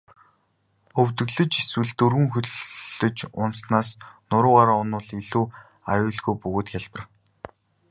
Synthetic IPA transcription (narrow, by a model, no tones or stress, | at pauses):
ɵwt̪ɵ̆ɣɮɵ̆t͡ɕiswɘ̆ɮt̪ɵrɣɘ̆ŋxɵɮɮɵ̆t͡ɕʊnsnaːsnʊɾʊːaɾaːʊnʊːɮiɮuː | ajʊːɮɣujpɵɣoːt̪xʲaɮpə̆r